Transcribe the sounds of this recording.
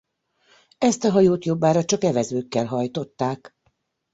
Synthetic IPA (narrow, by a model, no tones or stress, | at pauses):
ɛst̪ɒɦɒjoːt̪jo̞bːaːɾɒt͡ʃɒkɛvɛzøːkːɛlɦɒjt̪o̞t̪ːaːk